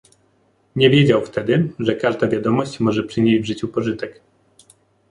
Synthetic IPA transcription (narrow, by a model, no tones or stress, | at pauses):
ɲɛvʲjed͡ʑawft̪ɛd̪ɘʐɛkaʐd̪avʲjad̪ɔmɔɕt͡ɕmɔʐɛpʂɘɲed͡ʑvʐɘt͡ɕupɔʐɘt̪ɛk